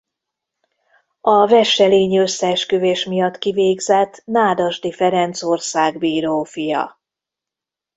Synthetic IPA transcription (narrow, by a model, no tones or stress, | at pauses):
ɒvɛʃːɛleːɲiøsːɛʃkøveːʃmijɒt̪ːkiveːɡzɛt̪naːd̪ɒʒd̪ifɛɾɛnt̪so̞rsaːɡbiːɾoːfijɒ̰